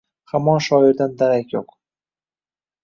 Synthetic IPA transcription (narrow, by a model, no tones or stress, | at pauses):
hamɒnʃɒɪɾd̪ænd̪æɾækʲjoq